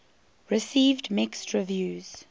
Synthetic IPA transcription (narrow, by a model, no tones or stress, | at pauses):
ɹɪsiːvdmɪkstʰɹɪvjʉːz̥